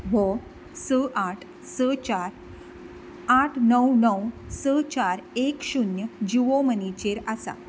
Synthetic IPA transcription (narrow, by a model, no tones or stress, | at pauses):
bɔ | səʔaʈʰ | sət͡ɕaɾ | aʈʰnəwnəwsət͡ɕaɾekɕunjəd͡ʑiʋomənit͡ɕeɾasa̰